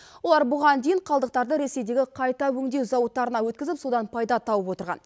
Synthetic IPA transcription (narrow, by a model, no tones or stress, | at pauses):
wo̞lˠɑɾbʊʁɑnd̪ejɪɴqʰɑlˠd̪əq̚t̪ɑɾd̪əɾe̞se̞jd̪e̞ɡʲɪqʰɑjt̪ɑwɵŋd̪ewzɑwət̪ːɑɾənɑwɵt̪kʲɪzɪpso̞d̪ɑnpʰɑjd̪ɑt̪ʰɑwəpwo̞t̪əɾʁɑ̰n